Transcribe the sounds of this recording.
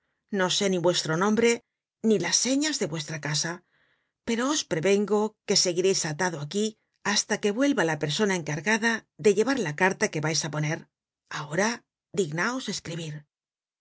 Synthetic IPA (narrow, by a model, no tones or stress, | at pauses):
no̞se̞niβwe̞st̪ɾo̞nõ̞mbɾe̞ | nilasːe̞ɲazðe̞βwe̞st̪ɾakasa | pe̞ɾo̞ospɾe̞βe̞ŋɡo̞ke̞se̞ɣiɾe̞jsat̪aðoaki | ast̪ake̞βwe̞lβalape̞ɾso̞nae̞ŋkaɾɣaðaðe̞ʎe̞βaɾlakaɾt̪ake̞βajsapo̞ne̞ɾ | ao̞ɾa | ðiɣnao̞se̞skɾiβ̞iɾ